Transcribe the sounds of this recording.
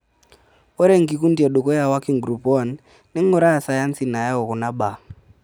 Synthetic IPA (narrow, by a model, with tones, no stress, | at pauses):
ɔ˦ɾe˦ŋ̩˨ki˨ku˦nti˦a˨ɗo˨kɔ˦ja˨wa˦ki˦˨ŋ˨ɡɾu˨pɔ˦˨nː | e˦ŋɔ˦ɾa˦a˨sa˨ja˦n˦si˨na˨ja˦ɔ˨kɔ˨na˦ɓa˨